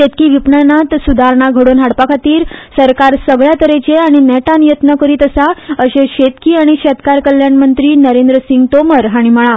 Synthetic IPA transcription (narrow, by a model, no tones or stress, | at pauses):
ɕet̪kiːʋipnənat̪sud̪ʱaɾɳaɡʱəɽonɦaɽpakʰat̪iːɾsəɾkaɾsəɡɭjat̪əɾet͡ɕeaɽ̃inɛʈãnjət̪nəkəɾiːt̪əsaəɕeɕet̪kiːaɽ̃iɕɛt̪kaɾkəljanmənt̪ɾiːnəɾend̪ɾəsiŋɡt̪oməɾɦaɽ̃im̤əɭ̃a